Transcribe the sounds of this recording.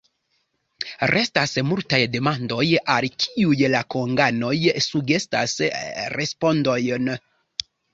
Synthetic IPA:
ɾʔe̞stasmultajde̞mando̞jalkʰiujlakoŋɡano̞jsuɡe̞sta̰sɾʔe̞spo̞ndo̞jn

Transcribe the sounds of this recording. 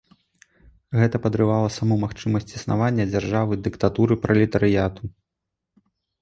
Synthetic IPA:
ɣɛt̪ɐpɐd̪ɾɨvalˠɐsamumaxt͡ʂɨmɐsʲt͡sʲisna̰vanʲːɐd͡zʲarʐavɨd̪ɨkt̪at̪uɾɨpɾʔɐlʲɛt̪ɐɾɨjat̪u

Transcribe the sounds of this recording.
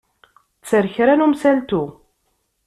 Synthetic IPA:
t͡sːəɾçɾænumsælt̪u

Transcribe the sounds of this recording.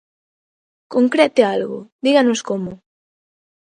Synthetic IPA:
koŋkɾɛt̪ealɣo̰ðiɣanoskomo

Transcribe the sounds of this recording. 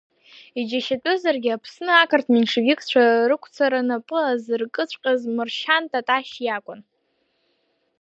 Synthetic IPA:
id͡ʒaʃat͡pʷʼɨzarɡʲɪapʰsnɨakʰartʰminʂivʲɪkʰʼt͡ɕʷʰarɨkʷʰt͡sʰaɾanapʼɨlazɨrkʼɨt͡ɕʷʼqʲʼazmɨrʃantʰʼatʼaʃjakʷʼʊn

